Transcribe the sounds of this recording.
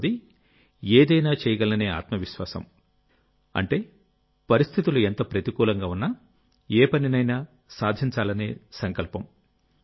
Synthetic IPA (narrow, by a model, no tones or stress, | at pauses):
d̪i | eːd̪ɐjnaːt͡ʃɛːjɐɡɐlɐne̞ːa̰ːt̪mɐʋiʃʋa̰ːsɐ̰m | ɐ̰ɳʈe̞ː | pɐɾist̪ʰit̪uluent̪ɐpɾɐt̪ikuːlɐŋɡaːunːɐ | ɛːpɐninɐjna | saːd̪ʱiɲt͡ʃaːlɐne̞ːsɐŋkɐlpɐm